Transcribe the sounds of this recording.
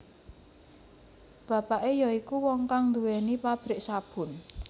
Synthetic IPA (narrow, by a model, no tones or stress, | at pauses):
b̥ä̤paʔejɔikuwɔŋkaŋnd̪uwɛnipab̥ɾɪʔsab̥ʊ̤n